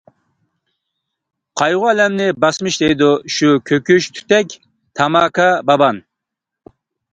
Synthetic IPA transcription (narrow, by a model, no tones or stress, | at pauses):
qʰɑjʁʊɛlɛmnɪbɑsmɨʃd̪ejd̪uʃukʲʰøkʲʰyʃt̪ʰy̥t̪ɛkʲ | t̪ʰɑmɑːkɑbɑbɑn